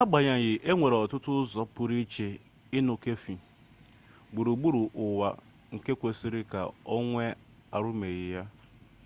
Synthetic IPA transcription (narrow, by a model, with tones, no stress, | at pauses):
a˦ɡ͡ba˨ɲa˨ɣɪ˨ʔe˦ŋʷe˨ɾɔ˨tʊ˦tʊ˦zɔ˦pʊ˨ɾi˦t͡ʃe˨ | ɪ˦nʊ˨ke˦fi˨ | ɡ͡bu˨ɾu˨ɡ͡bu˦ɾu˨ʔʊ˨wa̰˨ | ŋ̩˨ke˦kʷe˨si˦ɾɪ˦ka̰˨o˦ŋʷe˦ | a˨ɾʊ˦me˨ɣɪ˨ja˦